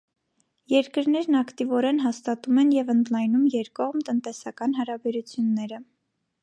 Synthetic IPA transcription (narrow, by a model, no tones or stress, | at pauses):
jɛɾkəɾnɛɾnɑkt̪ivɔɾɛnɦɑst̪ɑt̪umɛnjɛvənd̪lɑjnumjɛɾkɔʁmt̪ənt̪ɛsɑkɑn̪ɦɑɾɑbɛɾut͡sʰjunːɛɾə